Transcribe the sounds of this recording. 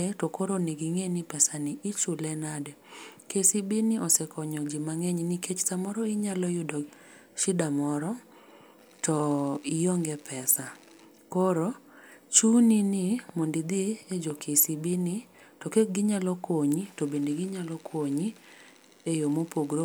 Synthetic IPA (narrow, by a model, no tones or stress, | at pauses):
etɔkoɾoniɡiŋenɪpɛsanɪʔit͡ʃulɛnadɛkesibinɪʔɔsɛkɔɲɔd͡ʒɪmaŋɛɲniket͡ʃtamɔɾɔɪɲalɔjʊdɔ | ʃɪdamɔɾɔ | tɔɪjoŋɡɛpʰɛsa | koɾo | t͡ʃuninɪmondid̪ied͡ʒokʰesibini | tɔkeɡɪɲalɔkwoɲitobendeɡɪɲalɔkʰwoɲi | ejomopoɡɾo